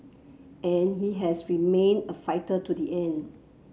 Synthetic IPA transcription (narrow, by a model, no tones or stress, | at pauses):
ɛ̃nɦiɦɛsɹimẽnəfaɪtətudiʔɛ̃n